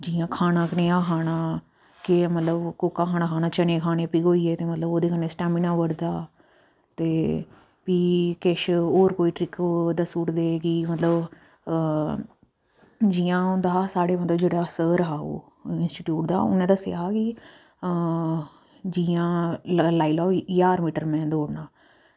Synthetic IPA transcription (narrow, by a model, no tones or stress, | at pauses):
d͡ʒiːãːkʰaːnãːkəneːaːkʰaːnãː | kɪmət̪ləbkoːkaːkʰaːnãːkʰaːnãːt͡ʃənẽːkʰaːneːpiːɡoːiːeːt̪eːmət̪ləboːd̪eːkʰəneːsʈɛːminãːʋəɽd̪aː | t̪eː | piːkɪʃoːɾkoːiːʈɾɪkd̪asuːɾd̪eːkiːmət̪ləb | d͡ʒiːjãːʊnd̪aːsaːɽeːmət̪ləbd͡ʒeːɽaːsəːɾɦaːo̰ː | ɪnsʈiːʈjuːʈd̪a̰ːʊ̰nːẽːd̪asɪaaːki | d͡ʒiːãːlaːiːlɔːjaːɾmiːʈəɾmɛ̃ːd̪oːɽnãː